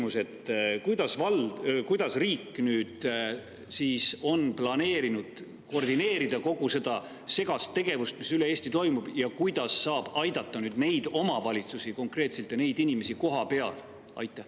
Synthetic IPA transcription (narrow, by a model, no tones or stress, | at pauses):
muse̞t̪ːkujd̪̥ɑsvɑlkujd̪̥ɑsriːkːnyːd̪̥ | siːso̞nplɑne̞ːɾinud̪̥ | kord̪ine̞ːɾid̪̥ɑko̞ɡ̥use̞d̪̥ɑ | se̞ɡ̥ɑst̪ːe̞ɡ̥e̞vust̪̚misyleeːsʲt̪it̪o̞jmub̥jɑkujd̪̥ɑsːɑːb̥ɑjd̪ɑt̪ːɑnyːd̪ne̞jd̪̥o̞mɑvɑlʲit̪susiko̞ŋkre̞ːt̪selt̪jɑne̞jd̪̥inʲime̞siko̞ɦɑpe̞ɑ̰l | ɑ̰jt̪ˑːeh